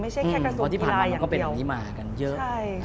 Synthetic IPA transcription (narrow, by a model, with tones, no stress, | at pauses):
ma˥˩jʰa˥˩jʰːɔ˧i˥˩paː˨˩˧aː˧˨˧kɔ˥˩pe˧˨˩niː˦˥maː˧˩ka˧njɤ˦˥ʔa˥˩j